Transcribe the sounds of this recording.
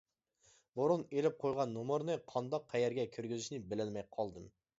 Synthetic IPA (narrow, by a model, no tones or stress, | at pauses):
buɾunelɪp̚qʰojʁɑnːomʊɾnɨqʰɑnd̪ɑqʰːæjɛɾɡʲɛkʲʰyɾɡʲyzyʃnɪbɪlɪlmɛjqʰɑlˠd̪ɨm